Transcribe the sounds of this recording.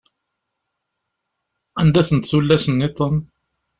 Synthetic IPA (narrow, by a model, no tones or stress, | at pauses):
ænd̪æθənt̪θulːæsənːit̪ˤən